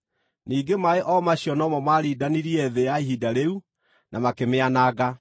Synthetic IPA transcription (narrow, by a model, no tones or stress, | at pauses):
niːɡemaeʔɔmaɕjɔnɔmɔmaɾiːdaniɾiɛðejaiɦidaɾeu | nʔamakemeanaɣa